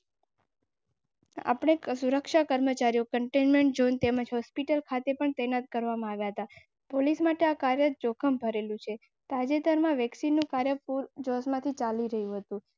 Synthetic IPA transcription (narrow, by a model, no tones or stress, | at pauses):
a̰pəɳ̃esuɾəkʃakəɾmət͡ʃaɾijokəɳʈenmeɳʈ̚d͡ʒont̪eməd͡ʒɦɔspiʈəlkʰat̪epəɳt̪ənat̪̚kəɾʋamãaʋjaɦət̪a | polismaʈeakaɾjət̪̚d͡ʒokʰəmbʱəɾelũt͡ʃʰe | t̪ad͡ʒet̪əɾmãʋɛksinːũkaɾjəpuɾd͡ʒɔsmãt̪ʰit͡ʃaliɾəɦjũɦət̪ũ